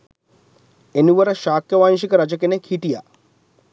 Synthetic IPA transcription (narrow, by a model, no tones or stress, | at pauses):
enuʋɐɾɐʃaːkjɐʋaːnʃ̬ikɐɾɐd͡ʒɐkenekʰiʈija̰